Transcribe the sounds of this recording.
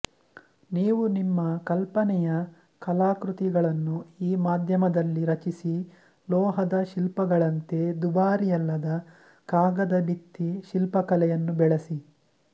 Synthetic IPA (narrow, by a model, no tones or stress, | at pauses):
niːʋunimːɐkɐlpɐnɛjɐ | kɐlaːkɾut̪iɡɐɭɐnːuiːmaːd̪ʱjɐmɐd̪ɐlːiɾɐt͡ʃisi | lɔːɦɐd̪ɐʃilpɐɡɐɭɐnt̪e̞d̪ubaːɾijɐlːɐd̪ɐ | kaːɡɐd̪ɐbit̪ːiʃilpɐkɐlɛjɐnːubɛɭesi